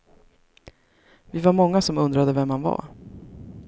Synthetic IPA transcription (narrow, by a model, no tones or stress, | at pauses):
vɪvaɾmɔŋːasɔmɵnd̪ɾad̪əvɛmhanva̰